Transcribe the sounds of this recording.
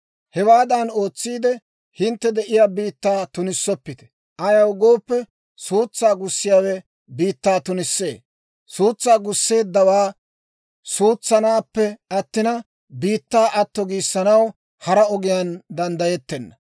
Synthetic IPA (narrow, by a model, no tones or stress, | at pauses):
hɛwaːd̪ɐno̞ːt͡sːiːd̪ɛ | hɪnt̪ːɛd̪ɛʔɪjaːbiːt̪ːaːt̪ʊnɪsːɔpːɪt̪ɛ̥ | ʔɐjɐwɡo̞ːpːɛ | suːt͡sːaːɡʊsːɪjaːwɛ | biːt̪ːaːt̪ʊnɪsːe̞̰ː | suːt͡sːaːɡʊsːe̞ːd̪ːɐwaː | suːt͡sːɐnaːpːɛɐt̪ːɪnɐ | biːt̪ːaːʔɐt̪ːɔɡiːsːɐnɐw | hɐɾɐɔɡɪjand̪ɐnd̪ɐjɛt̪ːɛnːɐ